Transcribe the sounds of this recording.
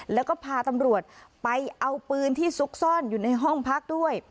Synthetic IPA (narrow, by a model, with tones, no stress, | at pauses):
lɛː˦˥wkɔː˥˩pʰaː˧t̪a˧mɾu˨˩ət̪̚pa˧jʔa˧wpɯː˧nt̪ʰiː˥˩su˦˥k̚sɔː˥˩njuː˨˩na˧jɦɔ˥˩ŋpʰa˦˥˩k̚du˥˩əj